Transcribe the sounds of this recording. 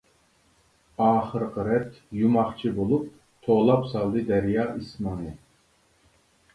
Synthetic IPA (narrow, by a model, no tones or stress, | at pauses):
ɑːχəɾqəɾɛt̪jumɑχt͡ʃʰibolˠup̚ | t̪ʰoʁlˠɑpsɑlˠd̪ɨd̪ɛɾjɑːʔismɑnɨ